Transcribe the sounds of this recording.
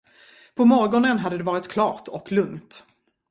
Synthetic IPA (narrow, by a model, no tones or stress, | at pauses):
pʰɔmɔɾɡɔnənɦad̪ːəd̪ɛvɑːɾɪt̪kʰlɑːɾt̪ʰɔklɵŋt̪